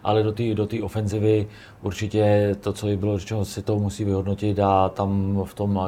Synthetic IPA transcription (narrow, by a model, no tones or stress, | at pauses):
ʔa̰lɛdot̪iːdot̪iːʔofɛnzɪvɪ | ʔuɾt͡ʃɪcɛt̪ot͡sojɪbɪlorɛt͡ʃɛnosɪt̪omusiːvɪɦo̞dnocɪt̪at̪amft̪o̞mla